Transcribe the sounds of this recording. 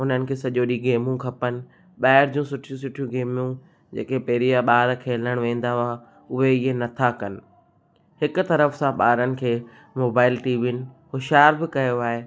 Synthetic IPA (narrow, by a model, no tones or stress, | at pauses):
ʊn̤ənɪ̆kʰeːsɐʄoːɗiɡeːmũkʰɐpənɪ̆ | ɓaːɪɾd͡ʑũːsʊʈʰijũsʊʈʰijũɡeːmjũ | d͡ʑeːkepɐɦɾijaɓaːɾkʰeːləɽ̃ʋẽːn̆d̪aɦʊa | ʊɦeɪɦenɐt̪ʰakɐnɪ̆ | hɪkʊ̆t̪ɐɾəfsãɓaːɾənɪ̆kʰeː | moːbaːɪlʈiːʋɪn̆hʊʃaːɾbɪkɐjoaːɦeː